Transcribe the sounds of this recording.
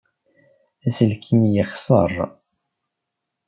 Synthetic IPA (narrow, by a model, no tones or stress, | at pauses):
æsəlkʰimjəχsˤə̰rˤ